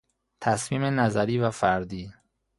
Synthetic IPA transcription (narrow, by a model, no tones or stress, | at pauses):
t̪ʰæsmiːmenæzæɾiːvæfæɾd̪iː